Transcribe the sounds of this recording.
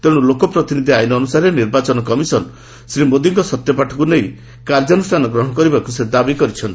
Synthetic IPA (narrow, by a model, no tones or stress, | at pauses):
t̪eɽ̃ulokɔpɾɔt̪inid̪ʱiajnɔːnusaɾeniɾbat͡ʃɔnɔkɔmisɔn | sɾimod̪iŋkɔsɔt̪jɔpaʈʰɔkunej | kaɾd͡ʒɔnusʈʰanɔɡɾɔɦɔ̃ɽ̃ɔkɔɾibakused̪abikɔɾit͡ʃʰɔnt̪i